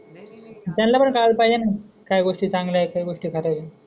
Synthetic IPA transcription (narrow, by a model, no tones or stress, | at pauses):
t̪janlapəɳkalpajd͡ʑanajkajɡoʂʈit͡sãŋɡlajkajɡoʂʈiːkʰat̪ala